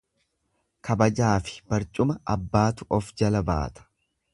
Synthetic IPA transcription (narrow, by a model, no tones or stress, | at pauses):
kʰɐbɐd͡ʒaːfɪ̥b̥ɐɾt͡ʃʼʊmɐɐbːaːt̪ʊʔɔfd͡ʒɐlɐba̰ːt̪ɐ̥